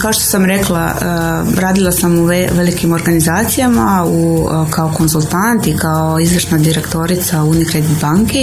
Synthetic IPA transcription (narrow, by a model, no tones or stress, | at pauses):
kaoʃt̪o̞̥samɾe̞klˠa̰ | ə | ɾaːd̪ilˠasamuʋeʋelikimo̞ɾɡanizaːt̪sijamaukʰaoko̞nsulˠt̪ant̪ikaoizʋr̩ʃnad̪iɾekt̪o̞ɾit̪saunikɾed̪it̪baŋke